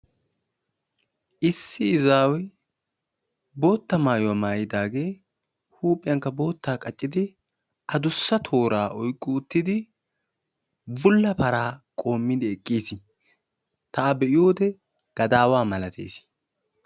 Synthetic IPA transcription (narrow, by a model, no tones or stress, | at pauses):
ʔɪsːɪɪzaːwɛj | bo̞ːt̪ːɐmaːjʊwɐmaːjɪd̪aːɡe̞ː | huːpʼɪjɐŋkːɐbo̞ːt̪ːaːkʼɐt͡ʃʼːɪd̪ɪ | ʔɐd̪ʊsːɐt̪ʰo̞ːɾaːʔɔjkʼːʊːt̪ːɪd̪ɪ | bʊlːɐpɐɾaːkʼo̞ːmːɪd̪ɛɛkʼːiːsɪ | t̪ɐabɛʔɪjo̞ːd̪ɛ | ɡ̥ɐd̪aːwaːmɐlɐt̪ʰḛːs